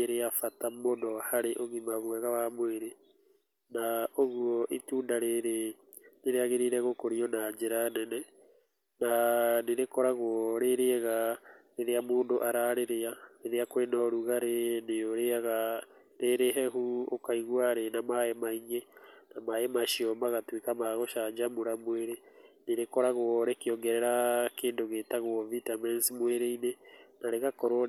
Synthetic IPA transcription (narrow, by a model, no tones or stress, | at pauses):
eɾeafatamonɔhaɾeʔoɣimaβwɛɣawamweɾe | naoɣuɔʔituːndaɾeɾe | neɾeaɣeɾiɾɛɣokoɾiɔnaɲd͡ʒeɾanɛnɛ | naneɾekɔɾaɣwɔɾeɾeɛɣaɾeɾeamoːndoʔaɾaɾeɾeaɾeɾeakwenɔɾuɣaɾenejoɾeaɣa | ɾeɾeɦɛɦuokaiɣwaɾenamaemaiɲenamaemaʃiɔmaɣatwekamaɣoʃaɲd͡ʒamuɾamweɾeneɾekɔɾaɣwɔɾekeɔŋɡɛɾɛɾakeːndoɣeːtaɣwɔvitamɛnsimweɾeinenaɾeɣakɔɾo